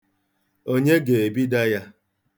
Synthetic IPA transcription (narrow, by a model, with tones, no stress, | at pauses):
o˦ɲe˦ɡe˨e˨bi˦da˦ja˦